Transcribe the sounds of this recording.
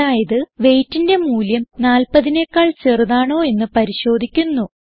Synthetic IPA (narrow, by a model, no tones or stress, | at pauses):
aːjɐðɨʋe̞jtːinde̞muːljɐmnaːlpɐðine̞kːaːɭt͡ɕe̞rðaːɳo̞ːe̞nːɨpɐɾiɕo̞ːd̪ʱikʲːunːu